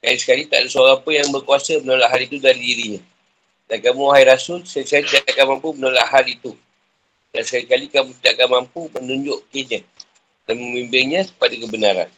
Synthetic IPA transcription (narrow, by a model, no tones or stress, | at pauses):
ka̰lisə̥kalit̪a̰ʔdasəoɾaŋpəjaŋbərkuasəmənolaʔɦalit̪udaɾidiɾiɲã | dankamuɦajɾasʊlskalisəkalit̪idaʔakanmampumənola̰ʔɦalit̪u | dansə̥kalikalikamũt̪idaʔakanmampumənuɲd͡ʒʊʔkiɲa | danməmimbɪŋɲãsə̥padəkəbənaɾa̰n